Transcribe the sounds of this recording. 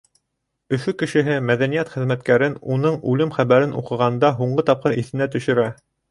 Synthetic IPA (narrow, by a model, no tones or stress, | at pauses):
ɵ̆fɵkɘ̆ʃɘ̆ɦɘmæðænijæt̪χɘ̆ðmæt̪kæɾɘnunɤɴʉlɘmχæβæɾɘnṵqɤ̆ʁɑnd̪ɑɦuɴɢɤt̪ɑp̚qɤɾiθɘ̆næt̪ɵ̆ʃɵ̆ɾæ